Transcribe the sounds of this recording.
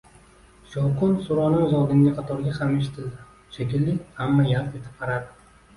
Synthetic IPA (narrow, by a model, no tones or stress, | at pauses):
ʃɒwqʊnsʊɾɒnɪŋzɒd̪ɪŋɡʲaqʰɑt̪ʰɒɾɡʲahameʃ̬ɪ̥t̪ʰɪld̪ɪ | ʃekʲɪlːɪkʲhamːajalt̪e̞t̪ʰɪ̥p̚qʰɑɾaɾd̪ɪ